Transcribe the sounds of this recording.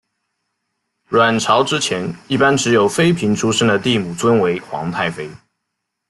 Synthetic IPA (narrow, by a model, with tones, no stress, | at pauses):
ɻwa˨˩nʈ͡ʂʰɑ˧˥ʊʈ͡ʂɻ̩˥t͡ɕʰjɛ˧˥ni˥˩pa˥nʈ͡ʂɻ̩˧˥jo˨˩ʊfe˥ɪpʰi˧˥ŋʈ͡ʂʰu˥ʂə˥ŋd̪ə˨t̪i˥˩mu˨˩t͡swə˥nwe˧˥ɪxwɑ̰˧˥ŋt̪ʰa˥˩ɪfe˥ɪ